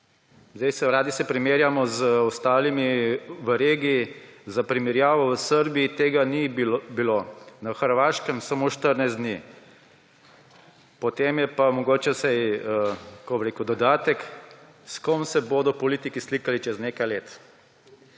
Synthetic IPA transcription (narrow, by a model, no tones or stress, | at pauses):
zd̪ɛjsɛɾaːd̪isɛpɾimeːɾjamɔzɔst̪aːlimiʋəɾeɡiːzapɾimɛɾjaːʋɔʋəsəɾbiit̪eːɡanibilonaxəɾʋaːʃkəmsamoːʃt̪əɾnajzd̪ni | pɔt̪emjɛpamɔɡoːt͡ʃɛsajəkɔbɾeːkud̪ɔd̪aːt̪ɛk | skomsɛboːd̪ɔpɔliːt̪ikislikalit͡ʃɛznekajleːt̪